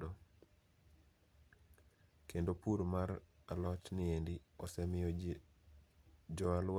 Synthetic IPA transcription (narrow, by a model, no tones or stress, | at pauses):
do | kendopuɾmaɾalɔt͡ʃnɪendiɔsɛmɪɔ | d͡ʒɔalw